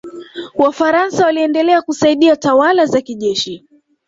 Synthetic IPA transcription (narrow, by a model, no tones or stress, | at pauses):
wafaɾansawaliɛndɛlɛakusaiɗiatawalazakiʄɛʃi